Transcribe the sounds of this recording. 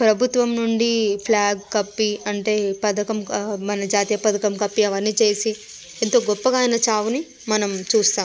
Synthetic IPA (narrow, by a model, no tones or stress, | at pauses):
pɾɐbʱut̪ʋɐmnuɳɖipʰlaːɡkɐpːiɐɳʈe̞ːpɐd̪ɐkɐmmɐnɐd͡ʒaːt̪ijɐpɐd̪ɐkɐmkɐpːiɐʋɐɾnit͡ʃe̞ːsi | ent̪o̞ːɡɔpːɐɡaːjnɐt͡ʃaːʋuni | mɐnɐmt͡ʃuːst̪aːm